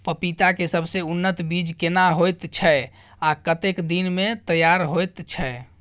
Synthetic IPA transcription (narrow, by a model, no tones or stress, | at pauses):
pəpit̪akesəbʱseunːət̪bid͡ʒkenaɦojt̪t͡ʃʰɛ | akət̪ekd̪inmet̪əjaɾɦojt̪t͡ʃʰɛ